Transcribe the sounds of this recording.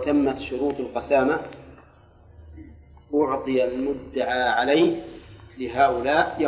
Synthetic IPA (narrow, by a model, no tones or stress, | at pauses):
t̪amːat̪ʃʊɾuːt̪ˤɑlqɑsaːma | ʔʊʕt̪ˤɨjalmʊd̪ːaʕaːʕalaj | lɪɦaːʔʊlaːʔj